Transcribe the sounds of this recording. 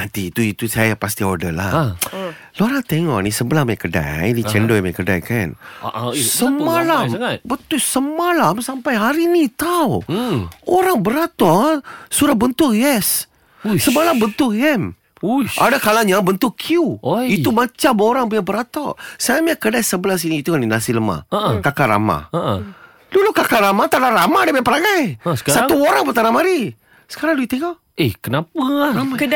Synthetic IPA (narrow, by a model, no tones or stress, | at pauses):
mant̪iːt̪uit̪usajapast̪iodəla | loaɾant̪ɛŋɔ̰ʔnisəbəlamjakəda̰jnit͡ʃɛndomakəda̰jkan | səmalambət̪ʊksəmalamsampajɦaɾinit̪aw | oɾaŋbəɾat̪asuɾahbənt̪ʊkjɛs | səmalambənt̪ʊkɛm | uʔa̰dakalaɲabənt̪ʊkʰiuiumat͡ʃamoɾaŋbəɲabəɾat̪ɔ̰samakədajsəbəlas̬iniːt̪uŋandinasiləma̰akakaɾa̰ma̰aʔ | dulukakaɾamat̪adaɾamadamapəɾaŋajsə̥sauoɾaŋpət̪anamaɾi | sə̥kaɾaŋduit̪eŋa | ehkənapak